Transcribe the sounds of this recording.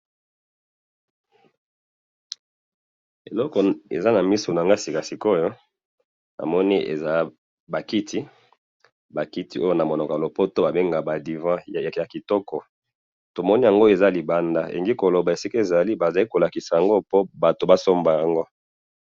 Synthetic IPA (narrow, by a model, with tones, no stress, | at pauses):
e˨lɔ˦kɔ˨ḛ˨za˦na˨mi˦so˨na˨ŋɡa˦si˨ka˨si˨ko˦jo˦ | na̰˨mɔ˦ni˦ḛ˨za˦ | ba˨ki˦tʰi˦ | ba˨ki˦ti˦o˦jo˦na˨mo˨nɔ˨kɔ˨a˨lo˨po˦to˦ba˨be˦ŋɡa˨ba˨di˨vã˦˨ja˨ki˨tɔ˦kɔ˨ | to˨mɔ˦ni˦ja˨ŋɡo˦e˨za˦li˨ba˦nda˦ʔḛ˨ŋɡi˦ko˨lo˨ba˨e˨si˦ka˦e˨za˨li˦ba˨za˨li˦ko˨la˨ki˨sa˨ja˨ŋɡo˦po˦ba˨to˨ba˦so˦mba˨ja˨ŋɡo˦